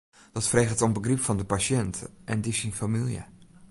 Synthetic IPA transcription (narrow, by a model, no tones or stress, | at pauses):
d̥ɔtfreːχətombəɡripfɔndəpaʃɛntʰəʔɛndisinfamilˠjə̰